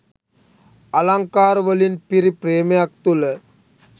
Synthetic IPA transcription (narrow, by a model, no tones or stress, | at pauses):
ɐlaŋkaːɾʋəlinpiɾipɾeːmeak̚t̪ule